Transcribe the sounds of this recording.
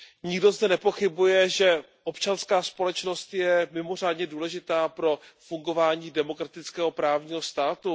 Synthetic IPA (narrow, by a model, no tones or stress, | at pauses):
ɲɪɡdo̞zdɛnɛpo̞xɪbujɛʒɛ | ʔopt͡ʃanskaːspo̞lɛt͡ʃno̞st̪jɛmɪmo̞r̝aːdɲɛduːlɛʒɪt̪aːpɾo̞fuŋɡo̞vaːɲiːdɛmo̞kɾat̪ɪt͡skɛːɦo̞pɾaːvɲiːɦost̪aːt̪u